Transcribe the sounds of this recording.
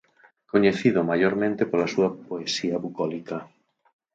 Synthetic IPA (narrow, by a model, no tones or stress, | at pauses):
koɲeθiðʊmajoɾmẽnt̪epolasuɐpoesiɐβukɔlikɐ